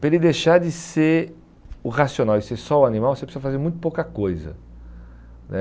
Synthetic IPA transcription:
pelɪd̪eʃaɾd͡ʒɪse | ʊʁasiõnawɪsɛsɔʊanĩmawvosepɾsiuzɐfazeɾmũj̃t̪ʊ̥powkɐkojzɐ̰ | nʔɛ̰

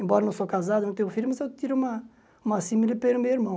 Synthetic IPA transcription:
ẽmbɔɾɐnɐ̃w̃sokazad̪ɐnɐ̃t̪ẽfilmɐzewt̪iɾũmɐ | ũmɐsĩmilɪpelʊmewiɾmɐ̃w̃

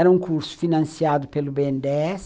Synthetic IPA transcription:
ɛɾɐũŋkuɾsʊ̥finɐ̃nsiad̪ʊpelʊbeẽnd̪eɛs

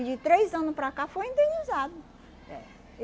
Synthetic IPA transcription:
d͡ʒɪt̪ɾejzɐ̃nʊspɾakafojĩnd̪ẽnizad̪ʊ | ɛ̰

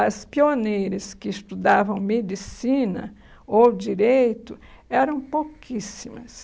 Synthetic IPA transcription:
ɐspionejɾɐskɪːst̪ud̪avɐ̃w̃med͡ʒisĩnɐ̰ | owd͡ʒiɾejt̪ʊ | ɛɾɐ̃w̃powkʰisimɐs

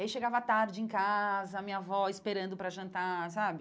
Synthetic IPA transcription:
aiʃeɡavɐat̪aɾd͡ʒɪẽkazɐːmĩɲɐvɔɪspeɾɐ̃nd̪ʊpɾɐʒɐ̃nt̪asabɪ

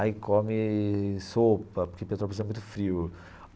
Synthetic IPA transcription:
ɪkõmɪsopɐpoɾkepet̪ɾopozɛmũj̃t̪ʊ̥fɾiʊ

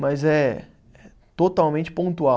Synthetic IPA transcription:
mɐzɛ | ɛ | t̪ot̪awmẽnt͡ʃɪ̥põnt̪ua

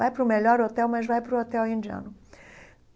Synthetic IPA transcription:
ajpɾʊmeʎɔɾot̪ɛwmɐzvajpɾʊot̪ɛwẽd͡ʒiɐ̰̃nʊ

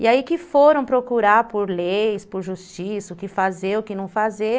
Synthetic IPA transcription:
ḭaikɪfoɾɐ̃w̃pɾokuɾaɾpoɾlejspʊɾʒust͡ʃisɐʊkɪfazeʊkɪnɐ̃w̃faze

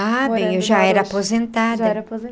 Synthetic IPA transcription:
abẽjoʒaɛɾɐaːpozẽnt̪ad̪ɐ

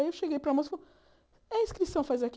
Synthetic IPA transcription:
ewʃeɡejpɾamosfo | ɐĩskɾisɐ̃w̃fajzak

